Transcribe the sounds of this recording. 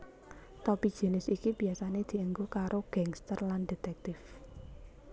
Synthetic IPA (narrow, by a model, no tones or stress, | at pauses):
t̪ɔpid̥ʒ̥e̤nɪsikib̥iasaned̪̥i̤əŋɡukaɾoɡ̥aŋst̪ərlanɖe̤t̪ɛk̚t̪ɪf